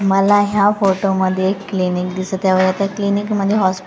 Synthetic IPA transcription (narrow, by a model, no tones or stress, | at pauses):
məlaɦjafoʈoməd̪ʱːjeekːlinikd̪isət̪jaʋəjat̪jaklinikməd̪ʱːjeɦɔsp